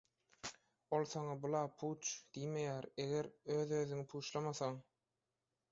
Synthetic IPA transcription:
o̞lˠθɑŋɑbulˠɑːpʰuːt͡ʃd̪̥ijme̞jæːɾe̞ɣe̞ɾø̞ːðøːðyŋipʰuːt͡ʃlˠɑmɑθɑŋ

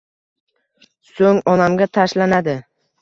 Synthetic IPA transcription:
soŋɒnamɡʲat̪ʰaʃlanad̪ɪ

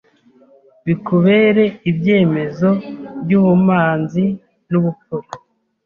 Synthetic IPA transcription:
βikuβeɾe̞ibje̞ːme̞zo̞bɟuːβumaːnzi | nuβufuko

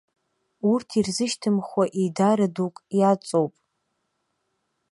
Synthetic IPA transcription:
urtʰirzɨʃtʰɨmχʷwaʔidaɾadukʼjat͡sʼowpʼ

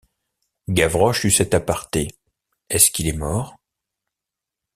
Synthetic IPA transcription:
ɡavʁɔʃysɛt̪apaʁt̪e | ɛskʲilɛmɔːʁ

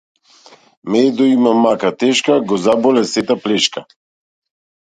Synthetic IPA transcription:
mɛd̪ɔimamakat̪ɛʃkaɡɔzabɔlɛsɛt̪aplɛʃka

